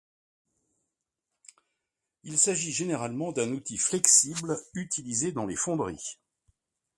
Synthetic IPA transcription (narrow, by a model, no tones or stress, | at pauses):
ilsaʒiʒeneʁalmɑ̃d̪ɛ̃nut̪iflɛksiblyt̪ʰilized̪ɑ̃lefɔ̃d̪ʁḭ